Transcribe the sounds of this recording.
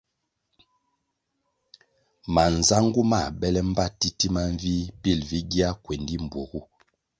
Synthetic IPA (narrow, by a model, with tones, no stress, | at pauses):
ma˨n˨za˦ŋɡu˦ma˦˨bɛ˦lɛ˦m̩˦ba˦ti˦ti˦ma˦ɱ˦vi˦bi˦˨lvi˦ɡi˦a˦kwe˨ndi˦m̩˨bwo˨ɡu˦